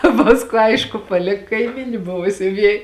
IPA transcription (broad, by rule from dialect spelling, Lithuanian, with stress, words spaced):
ˈpɑːskuː ˈɐɪʃkʊ pɐˈlʲɪk kɐɪˈmʲiːnʲɪ ˈbʊʋɐ sʲʊˈʋʲiɛj